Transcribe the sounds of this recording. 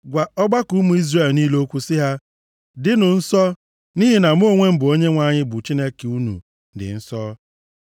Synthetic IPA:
ɡʷa˨ɔ˦ɡ͡ba˦ku˦mu˨˦i˦zre˨lniː˦lo˦kʷu˦sɪ˦ɦa˦ | dɪ˦nʊ˨n̩˦sɔ˦ | ni˦ɦi˨na˨m˦o˦ŋʷe˦m̩˦bʊ˨o˦ɲe˦ŋʷa˦ɲɪ˦bʊ˨t͡ʃi˦ne˦ke˨u˦nṵ˨ | dɪ̰˨n̩˦sɔ˦

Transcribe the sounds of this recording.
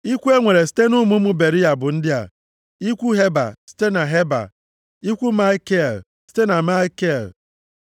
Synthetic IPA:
i˦kʷu˦e˦ŋʷe˨ɾe˨si̥˦te˦nʊ˦mu˦mu˦be˨ɾi˦ja˨bʊ˨n̩˦dɪ˦a̰˨ | i˦kʷu˦ɦe˦ba̰˨si̥˦te˦na˨ɦe˦ba̰˨ | i˦kʷu˦ma˦i˦ke˦˨l | si̥˦te˦na˨ma˦i˦ke˦˨l

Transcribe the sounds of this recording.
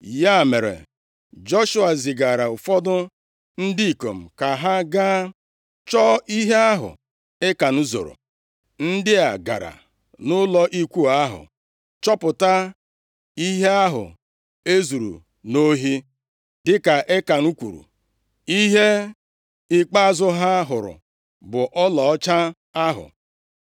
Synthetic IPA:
ja˦˨me˨ɾḛ˨ | d͡ʒɔ˦ʃʊ˦a˨zɪ˨ɡa˨ɾa˨ʊ˨fɔ˦dʊ˦ | n̩˦di˦i˨ko˨m̩˨ka˨ɦa˦ɡaː˦ | t͡ʃɔː˦ʔi˦ɦe˦a˦ɦʊ̰˨ | e˦ka˨n̩˦zo̰˨ɾo̰˨ | n̩˦dɪ˦a˨ɡa̰˨ɾa̰˨ | nʊ˦lɔ˦ʔi˦kʷu˦a˦ɦʊ̰˨ | t͡ʃɔ˦pʊ˨ta˦ | i˦ɦe˦a˦ɦʊ̰˨ | e˦zu˨ɾṵ˨ | no˦ɦi˦ | dɪ˦ka˨ʔe˦ka˨nu˦kʷṵ˨ɾṵ˨ | i˦ɦe˦ | ɪ˦k͡pa˦zʊ˦ɦa˦ɦʊ˨ɾʊ̰˨ | bʊ˨ʔɔ˦lɔ˨ɔ˦t͡ʃa˦ | a˦ɦʊ̰˨

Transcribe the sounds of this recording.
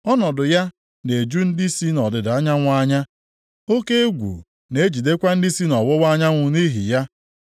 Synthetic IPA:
ɔ˦nɔ˨dʊ˨ja˦ | ne˨d͡ʒu˦n̩˦di˦si˦nɔ˨dɪ˨da˦ɲa˦ŋʷ˦a˦ɲa˦ | o˦ke˦e˦ɡʷṵ˨ | ne˨e˦d͡ʒi˨de˦kʷa˦n̩˦dɪ˦si˦nɔ˨wʊ˦wa˦ɲa˦ŋʷʊ˨ni˦ɦi˨ja˦

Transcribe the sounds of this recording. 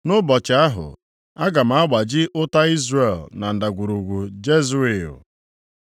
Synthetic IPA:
nʊ˦bɔ˨t͡ʃɪ˨a˦ɦʊ̰˨ | a˦ɡa˨m̩˨˦a˦ɡ͡ba˨d͡ʒɪ˦ʔʊ˦ta˦i˦zre˨lna˨n̩˨da˨ɡʷu˨ɾu˨ɡʷu˨d͡ʒe˦zu˦e˨ʊ̰˨

